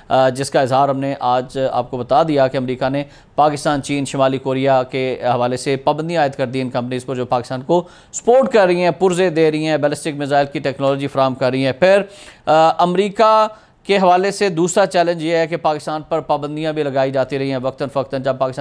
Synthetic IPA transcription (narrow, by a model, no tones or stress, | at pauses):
d͡ʒɪskaɪzɦaːɾɦɐmneʔaːd͡ʒa̰ːp̚kobɐt̪ad̪ijakeɐmɾiːkane | paːkɪst̪aːnt͡ʃiːnʃɪmaːlikoːɾijakeɦɐʋaːlesepaːbə̃nd̪ijãːɪt̪kɐɾd̪iɪnkɐ̃mpniːzpɐɾd͡ʒoːpaːkɪst̪aːnko | spoːɾʈkɐɾːɐiɦɛ̃ːpʊɾzed̪eːɾɐiɦɛ̃ːbɛːlɪsʈɪkmɪzaːɪlkiʈɛːknɔːlɔd͡ʒifɐɾaːɦəmkɐɾːɐiɦɛ̃ːpʰɪɾ | ɐmɾiːka | keɦɐʋaːlesed̪uːsɾat͡ʃɛːlə̃nd͡ʒjeɦɛkepaːkɪst̪aːnpɐɾpaːbə̃nd̪ijãbʱilɐɡaːid͡ʒaːt̪iɾɐɦiɦɛ̃ʋɐk̚t̪ənʋɐk̚t̪ənd͡ʒɐb̚paːkɪs